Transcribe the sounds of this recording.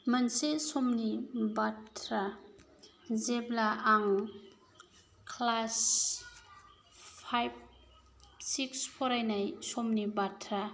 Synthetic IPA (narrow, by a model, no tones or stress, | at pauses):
mansesɔmnibatʰɾa | zeblaʔaŋ | kʰlas | pʰajb̚ | sikspʰɔɾajnajsomnibatʰɾa